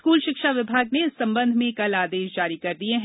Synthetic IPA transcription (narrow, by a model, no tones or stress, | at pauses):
skuːlʃɪkʃaʋɪbʱaːɡneɪsːɐ̃mbə̃nd̪ʱmẽkɐlaːd̪eːʃd͡ʒaːɾikɐɾd̪ieɦ